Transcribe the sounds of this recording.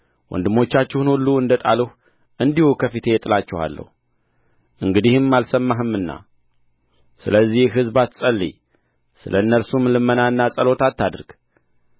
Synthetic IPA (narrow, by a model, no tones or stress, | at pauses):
wɔ̰nd̪ɨmo̞t͡ʃːat͡ʃːɛhnulːuɨnd̪ət̪ʼa̰ləh | ʔɨnd̪ihukʰəfit̪ʰe̞jɛt̪ʼɨlat͡ʃːɛha̰lːə̰hu | ʔɨŋɡɨd̪ihɨmːalsəmːaɦɨmːɨnːa̰ | sɨləzːihɦɨzbat̪sʼəlːḭ | sɨ̰lʔəɨnːəlsumlɨmːənaɨnːasʼəlo̞t̪ʰat̪ːad̪ɾɡ̥